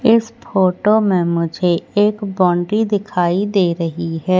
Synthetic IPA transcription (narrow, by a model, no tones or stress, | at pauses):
ɪspʰoːʈomẽmʊd͡ʒʱeeːkbɔ̃ːɳɖɾid̪ɪkʰaːid̪eːɾɐɦiɦɛː